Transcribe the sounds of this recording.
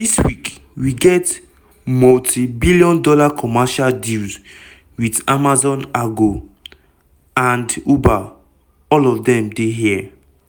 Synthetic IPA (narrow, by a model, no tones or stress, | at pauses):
diswik | wiɡɛt | mɔltʰibilijɔ̃ndɔlakʰɔmaʃaldilz | widamazɔ̃naɡo | ãnduba | ɔlɔfdɛ̃mdeɦiɛ